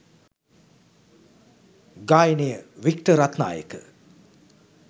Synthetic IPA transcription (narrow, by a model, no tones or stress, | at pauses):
ɡaːjinejəʋikʈəɾat̪na̰ːjə̰kə̰